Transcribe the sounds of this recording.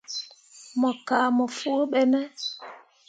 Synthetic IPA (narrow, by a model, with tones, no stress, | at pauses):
mɔ˨ka˨mɔ˨fu˦o˦ɓɛ˦mɛ˦